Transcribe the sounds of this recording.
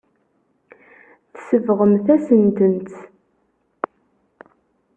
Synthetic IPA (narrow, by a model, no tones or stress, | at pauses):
θsəvʁəmθæsənt̪ənt̪